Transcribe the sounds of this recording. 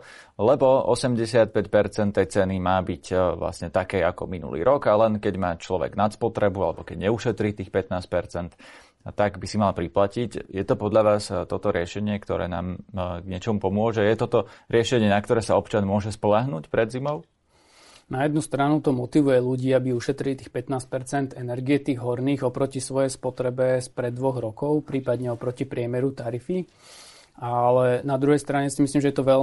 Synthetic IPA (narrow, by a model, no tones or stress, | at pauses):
lɛbɔɔ̰sɛmɟɛsɪat̪̚pɛcpɛɾt͡sɛnt̪ːɛjt͡sɛnimaːbicʋla̰sɲɛt̪akɛːakɔ̰minṵlḭːɾʔɔɡalɛnkɛɟmaːt͡ʃlɔʋɛ̰ɡnat̪spɔt̪ɾɛbualɛbɔkɛɟɲɛuʃɛt̪ɾiːt̪iːxpɛt̪naːscpɛɾt͡sɛnt̪ː | aɡbisimalpɾiplacicjɛt̪ɔpɔd̪ʎaʋaːst̪ɔt̪ɔɾɪɛʃɛɲɪɛkt̪ɔ̰ɾɛ̰ːna̰ːmɡɲɛt͡ʃɔmupɔmʊɔʒɛjɛt̪ɔt̪ɔɾɪɛʃɛɲɪɛnakt̪ɔɾɛːsaɔpt͡ʃanmʊɔʒɛspɔlaɦnuːcpɾɛd̪zimɔʊ | najɛd̪nust̪ɾanut̪ɔmɔt̪iʋujɛluɟiːabiuʃɛt̪ɾilit̪iːxpɛt̪naːs̚pɛɾt͡sɛnd̪ɛnɛɾɡiɛt̪iːɣɦɔɾniːɣɔpɾɔcisʋɔjɛjspɔt̪ɾɛbɛspɾɛd̪ːʋɔɣɾɔkɔʊpɾiːpad̪ɲɛɔpɾɔcipɾɪɛmɛɾut̪aɾifi | ʔalɛnad̪ɾuɦɛjst̪ɾaɲɛsimisliːmʒɛjɛt̪ɔʋɛ